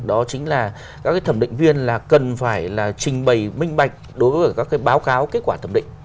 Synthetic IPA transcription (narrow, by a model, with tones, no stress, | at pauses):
ɗɔ˨˦t͡ɕï˨˦ŋ̟laː˨˩ | kaː˦˥kaː˨˦jt̪ʰə˧˩mɗḭ̈˧˨ŋ̟vi˧ənlaː˨˩kə˨˩nfaː˧˩jlaː˨˩t͡ɕï˨˩ŋ̟ɓə˨˩jmï˧ŋ̟ɓa˨˩jk̟̚ɗo˨˦jvəː˨˦˩jkaː˦˥kːaː˨˦jɓaː˨˦wkaː˨˦wke˦˥t̚kwaː˧˩t̪ə˧˩mɗḭ̈˧˨ŋ